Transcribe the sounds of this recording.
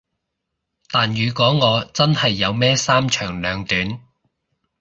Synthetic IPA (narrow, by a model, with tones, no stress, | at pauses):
t̪aː˨njyː˨˧kʷɔː˨˥ŋɔː˨˧t͡sɐ˥nhɐ˨jːɐ˨˧wmɛː˥saː˥mt͡ʃʰœː˨˩ŋlœː˨˧ŋt̪yː˨˥n